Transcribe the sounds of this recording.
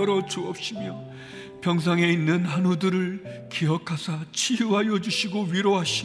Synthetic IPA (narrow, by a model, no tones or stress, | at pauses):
ʌɾʌt͡ɕuʌp̚ɕ͈imjʌ | pjʌŋs̬ʰaŋe̞inːɯnɦhanudɯɾɯɭkiɦʌkʰasʰat͡ɕʰiuɦajʌd͡ʑuɕʰiɡoɥiɾoɦaɕʰi